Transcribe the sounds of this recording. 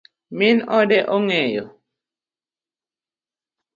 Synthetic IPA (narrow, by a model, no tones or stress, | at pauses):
mɪnɔdɛʔɔŋɛjɔ̰